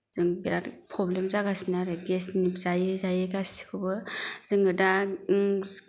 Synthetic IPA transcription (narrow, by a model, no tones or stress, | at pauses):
zɯŋbiɾatpʰɾɔblemzaɡasinaɾɯɡesnipzajɯzajɯɡasi̥kʰɯbɯz̥ɯŋɯda